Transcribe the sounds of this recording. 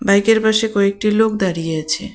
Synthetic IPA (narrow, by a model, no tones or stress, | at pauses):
bajkeɾpaʃekɔek̚ʈilok̚d̪aɾijeat͡ɕʰe